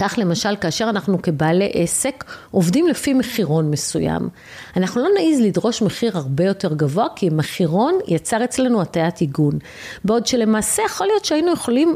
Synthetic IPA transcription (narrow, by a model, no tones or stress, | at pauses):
kaχle̞maʃalkaːʃe̞ʁanaχnuke̞baːle̞ʔese̞kʔo̞vdimlefime̞χiʁo̞nme̞suja̰m | anaχnulo̞naʔizlidʁo̞ʃmeχiʁhaʁbe̞jo̞te̞ʁɡavo̞akʰimeχiʁo̞njat͡saʁet͡slenuatajatiɡun | beo̞dʃe̞le̞maːse̞jeχolijo̞t̪ʃeainuje̞χo̞lim